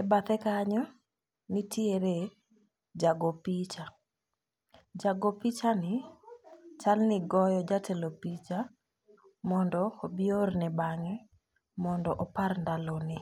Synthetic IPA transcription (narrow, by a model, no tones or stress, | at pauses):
ɛbat̪ɛkaɲɔ | nitʰieɾe | d͡ʒaɡopit͡ʃa | d͡ʒaɡopit͡ʃanɪ | t͡ʃalnɪɡɔjɔd͡ʒatʰelopit͡ʃa | mɔndɔobɪornɪbaŋɛ | mɔndɔʔɔparndalonɪ